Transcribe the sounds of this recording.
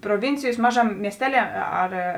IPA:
proːˈʋʲɪnʲt͡sʲɪjoːs ˈmɑːʒɐˌmʲeː mʲiɛsʲˈtʲæːˌlʲiɛ ˈɐr

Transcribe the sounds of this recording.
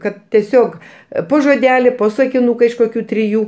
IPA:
ˈkɐt tʲiɛˈsʲoːk ˈpoː ʒoːˈdʲæːlʲɪ ˈpoː sɐkʲɪnʊkɐ ɪʃ koːˈkʲuː tʲrʲɪˈjuː

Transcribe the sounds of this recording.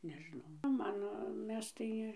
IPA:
nʲɛʒʲɪˈnɐʊ ˈmɐn ˈmʲɛs tɐɪ

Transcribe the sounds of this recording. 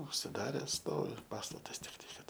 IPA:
ʊʃʲsʲɪˈdɑːrʲɛs ˈstoːʋʲɪ ˈpɑːstɐtɐs tʲɪkˈtɐɪ ˈkɐt

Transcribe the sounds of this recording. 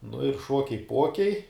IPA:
nʊ ɪr ˈʃoːkʲɛɪ ˈpoːkʲɛɪ

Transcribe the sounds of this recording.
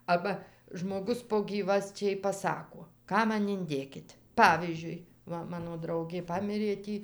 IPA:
ˈɑːbɐ ʒmoːˈɡʊs poː ˈɡʲiːʋɐsʲt͡ʃʲɛɪ pɐˈsɑːkoː ˈkɑː ˈmɐn ɪnʲˈdʲeːkʲɪtʲ ˈpɑːʋʲiːzʲd͡ʒʲʊɪ ˈʋɐ ˈmɑːnoː ˈdrɐʊɡʲeː ˈpɑːmʲɪrʲeː ˈtʲiː

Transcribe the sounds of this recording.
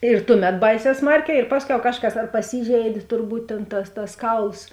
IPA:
ɪr ˈtʊˌmʲɛt ˈbɐɪˌsʲɛː ˈsmɐrʲˌkʲɛː ɪr ˈpɑːsʲˌkʲɛʊ ˈkɑːʃˌkɐs ɐr pɐˈsʲiːʒʲɛɪdʲeː tʊrˈbuːt tʲeːn tɐs tɐs ˈkɐʊlˠs

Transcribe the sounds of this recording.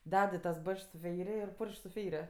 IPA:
ˈdʲɛt ɪ tɐs ˈbɐt͡ʃks sʊ ˈfʲɛɪrʲɪ ɪr ˈpʊrʲʃʲkʲ sʊ ˈfʲɛɪrʲɪ

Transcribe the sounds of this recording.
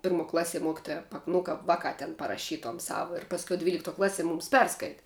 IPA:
ˈpʲɪrˌmuɔ ˈklˠɑːˌsʲiɛ ˈmoːkʲɪtoːjɛ pɐk nʊ ˈkɐp ˈʋɑːˌkɑː tʲɛn pɐrɐˈʃʲiːtuɔm ˈsɐʊ ɪr pɐsʲˈkʲɛʊ dʲʋʲiːlʲɪkˈtuɔ ˈklˠɑːˌsʲiɛ ˈmuːms ˈpʲɛrskɐɪtʲɪ

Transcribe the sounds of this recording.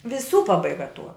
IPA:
ʋʲɪˈsuː pɐbɐɪˈɡɐ tuɔ

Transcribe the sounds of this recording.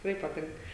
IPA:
tʲɪkˈrɐɪ pɐˈtʲɪŋk

